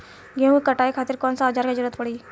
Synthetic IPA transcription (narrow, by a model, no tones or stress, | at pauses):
ɡẽɦuikɐʈaːikʰaːt̪ɪɾkɔːnsaːd͡ʒaːɾkad͡ʒʊɾət̪pɐɽiː